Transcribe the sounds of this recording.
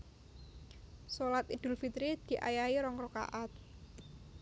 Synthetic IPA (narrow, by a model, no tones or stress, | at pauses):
solat̪id̪̥ʊ̤lfit̪ɾid̪̥i̤ʔa̰jaiɾɔŋɾɔka̰ʔat̪̚